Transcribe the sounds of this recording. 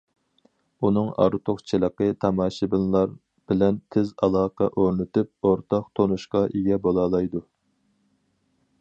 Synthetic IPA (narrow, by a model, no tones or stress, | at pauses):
unɨŋɑ̰ɾt̪ʰoχt͡ʃʰilˠəqət̪ʰɑmɑːʃibɪllˠɑɾ | b̥ɪlɛnt̪ʰɪzɑlˠɑːqʰɑʔoɾnɪt̪yp̚oɾt̪ʰɑq̚t̪ʰonuʃqɑʔeɡʲɛbolˠɑːlˠɑjd̪u